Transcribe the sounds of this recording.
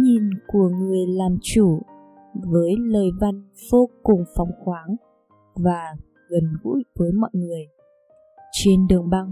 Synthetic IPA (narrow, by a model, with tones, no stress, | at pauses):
ɲi˨˩nku˧˩əŋɨ˨˩əjlaː˨˩mt͡ɕu˧˩ | vəː˨˦jləː˨˩jva˧˩n | v̥o˧kʊ˨˩ŋ͡mfa˨˩wŋ͡mxwaː˨˦ŋ | vaː˨˩ | ɣə˨˩nɣṵ˧˥jvəː˨˦jmɔ̰˧˨jŋɨ˨˩əj | t͡ɕe˧nɗɨ˨˩əŋɓaː˧ŋ